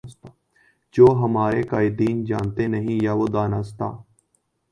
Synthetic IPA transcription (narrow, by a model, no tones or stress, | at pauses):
d͡ʒoːɦəmaːɾeːkaːɪd̪iːnd͡ʒa̰ːnt̪eːnəɦĩːjaːʋoːd̪aːnaːst̪a̰ː